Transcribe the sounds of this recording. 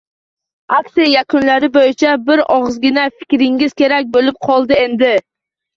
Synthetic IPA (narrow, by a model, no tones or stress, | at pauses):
aksijajakʰʊnlaɾɪbojɪt͡ʃʰabɪɾɒʁzɡʲɪnafɪ̥kʲɾɪŋɪz̥kʲe̞ɾak̚ʲbolɪp̚qʰɒlˠd̪ɪe̞nd̪ɪ